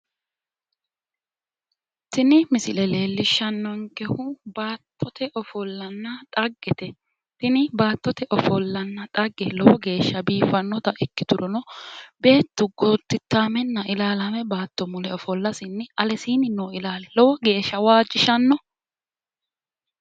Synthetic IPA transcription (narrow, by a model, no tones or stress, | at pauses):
t̪ɪnɪmɪsɪlɛle̞ːlːɪʃːɐnːɔŋkɛhʊbaːt̪ːɔt̪ɛʔɔfɔlːɐnːɐt̪ʼɐɡːɛt̪ɛ | t̪ɪnɪbaːt̪ːɔt̪ɛʔɔfɔlːɐnːɐt̪ʼɐɡːɛlɔwɔɡe̞ːʃːɐbiːfɐnːɔt̪ɐʔɪkːɪt̪ʊɾɔnɔbe̞ːt̪ːʊɡoːt̪ːɪt̪ːaːmɛnːɐʔɪlaːlamɛbaːt̪ːɔmʊlɛɔfɔlːɐsɪnːɪɐlɛsiːnɪnoːɪlaːlɛlɔwɔɡe̞ːʃːɐwaːd͡ʒːɪʃɐnːɔ